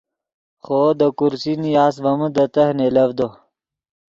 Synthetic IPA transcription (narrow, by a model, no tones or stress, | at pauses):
xod̪əkuɾsinijaːsbɐmud̪ət̪ɐhnelɐvd̪o